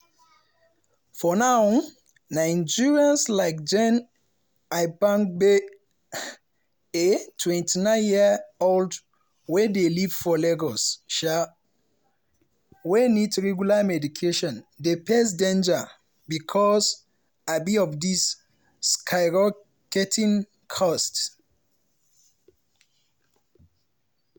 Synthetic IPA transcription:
fɔnaw | nãɪ̃nd͡ʒiɹiãnslaɪk̚d͡ʒɛ̃n | aɪbãŋbe | etʰwɛ̃ntʰinãɪnjiold | wɛdelivfɔlɛɡɔsʃa | wenitɹɛɡjulamɛdikʰeʃɔ̃ndepʰes̬dẽnd͡ʒa | bikʰɔs | abiɔfdis | kʰaɪɹɔ | kɛtʰĩn | kʰɔst

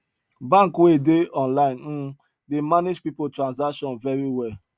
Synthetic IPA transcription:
bãŋkwedeɔ̃nlaɪ̃n̩ | demaned͡ʒpipotɹãnzakʃɔ̃nvɛɹiwɛl

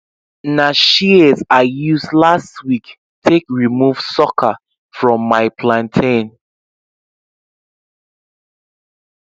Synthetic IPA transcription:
naʃizaɪjusdlastwik | tʰekɹimuv̥sɔkʰə | fɹɔ̃mːaɪpʰlãntʰẽn

